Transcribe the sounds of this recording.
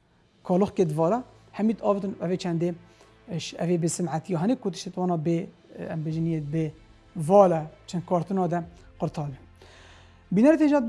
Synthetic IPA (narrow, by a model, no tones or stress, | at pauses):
kʰɑːloxket̪vɑːlɑ | hɛmiːt̪ɑːvɨt̪ɨnʔɛvet͡ʃʰɛnd̪eː | ʃɛveːbɨsɨmʕat̪ijɑːɦɛnekʊt̪ɨ̥ʃt̪et̪wɑːnɑːbe | ɛ̰mbeːʒinjet̪̚be | vɑːlɛt͡ʃʰɛnd̪̚kʰɑːɾt̪ɨnɑːd̪ɛqɨɾt̪ʰɑːd̪e | biːnɛɾet̪heʒɑː